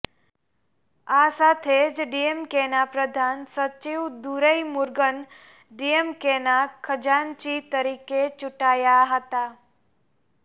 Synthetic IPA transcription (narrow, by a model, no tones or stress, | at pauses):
asaːt̪ʰed͡ʒɖijemkeːnapɾəd̪ʱaːnsət͡ʃiwd̪uɾəimʊɾɡən | ɖijemkeːnakʰəd͡ʒaːnt͡ʃit̪əɾiːket͡ʃʊʈaːjaɦət̪aː